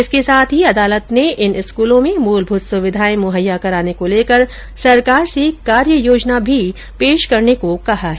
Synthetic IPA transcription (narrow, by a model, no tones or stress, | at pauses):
ɪskesaːt̪ʰɦiɐd̪aːlət̪neʔɪnɪskuːlõmẽmuːlbʱuːt̪sʊʋɪd̪ʱaːimʊɦəjːakɐɾaːnekoleːkəɾ | sɐɾkaːɾsekaːɾjəjoːd͡ʒnabʱi | peːʃkɐɾnekokɐɦaɦɛ